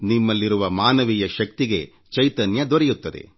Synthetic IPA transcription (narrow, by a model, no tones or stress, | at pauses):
nimːɐlːiɾuʋɐmaːnɐʋijɐʃɐk̚t̪iɡe̞ | t͡ʃɐjt̪ɐnjɐd̪ɔɾɛjut̪ːɐd̪ḛ